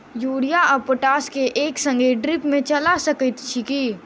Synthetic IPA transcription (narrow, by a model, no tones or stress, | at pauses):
juːɽijaɐpoʈaːskeʔeːksɐ̃ŋɡeɖɾɪpmẽt͡ʃɐlasɐkət̪t͡ʃʰikiː